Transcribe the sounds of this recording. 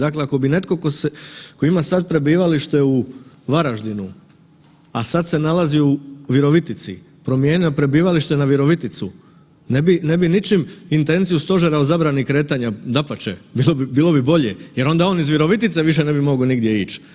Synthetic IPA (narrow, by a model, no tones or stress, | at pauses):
d̪akleako̞bine̞t̪ko̞koseko̞imasad̪̚pɾe̞biːʋaliʃt̪e̞u | ʋaɾaʒd̪inu | asad̪se̞nalˠaziuʋiɾo̞ʋit̪it̪sḭ | pɾo̞mje̞niopɾe̞biːʋaliʃt̪e̞naʋiɾo̞ʋit̪it̪sṵ | nebine̞binit͡ʃimint̪e̞nt̪zijust̪o̞ʒeɾaozabɾanikɾe̞ːt̪aɲad̪apat͡ʃḛbilobibiːlˠo̞bibo̞ʎejeɾo̞nd̪ao̞ːnizʋiɾo̞ʋit̪it̪seʋiʃ̬ene̞bimo̞ɡoniɡd̪je̞iːt͡ʃ